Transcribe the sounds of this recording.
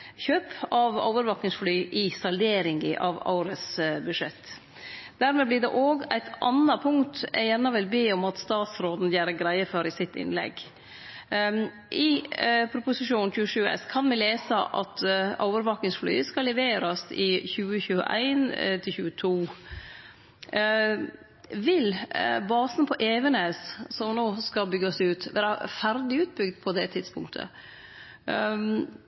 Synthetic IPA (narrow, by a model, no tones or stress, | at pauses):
çøːpʰɑʋo̰ʊʋəɾʋɑknɪŋsflyːʔɪsɑld̪eːɾɪŋɡɪ̰ʔɑʋɑ̰ʊɾəsbʉʂɛt̪ː | d̪̥æɾmɛblɪɖɛʔoːɡæ̰ɪt̪ʰʔɑnɑpʰʊŋt̪jænɑʋɪlbeːɔmɑt̪st̪ɑːt̪sɾoːd̪n̩jæːɾəɡɾæɪəfɔɾɪsɪt̪ːɪ̰nlɛ̰ɡ | ʔɪpʰɾʊpʊsɪʂuːnnçʉːəʂʉːɛ̰skʰɑnʋɪleːsəʔɑ̰t̪ɔʊʋəɾʋɑknɪŋsfly̰ːəskɑlɛʋeːɾɑsɪçʉːəçʉːə̰ʔæ̰ɪnt̪ʰɪlçʉːət̪ʰuː | ʋɪlbɑːsnpʰɔʔeːʋənəssɔmnoːskɑbʏɡɑsʉːt̪ʋæ̰ːɾɑfæɾd̪ɪʉːt̪̚bʏɡd̪pʰɔd̪ɛt̪ʰɪd̪spʰʊŋk̚t̪ʰə̰